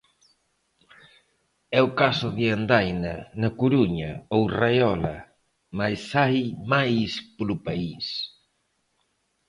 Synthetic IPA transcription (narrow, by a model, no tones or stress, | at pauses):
ɛʊkasʊðɪand̪ajnɐnɐkuɾuɲɐowrajɔlɐ | majsajmajspolʊpais